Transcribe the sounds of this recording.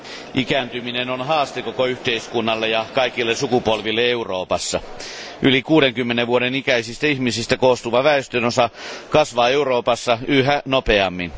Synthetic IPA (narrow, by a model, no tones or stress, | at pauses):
ʔikæːnt̪yminenonɦɑːst̪ekokoyht̪eiskunːɑlːejɑkɑikilːesukupolʋilːeeuroːpɑsːɑʔylikuːdeŋkymːeneʋʋuoɾenikæisist̪æihmisist̪ækoːst̪uʋɑʋæest̪ønosɑkɑsʋɑːeuroːpɑsːɑʔyhænopeɑmːin